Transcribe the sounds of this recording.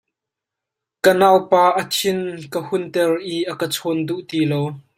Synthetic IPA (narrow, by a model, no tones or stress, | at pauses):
kənaːwpaːʔɐt͡sʰɪnkəhʊnt̪ɛrʔiʔɐkət͡sʰɔnduʔt̪iːlow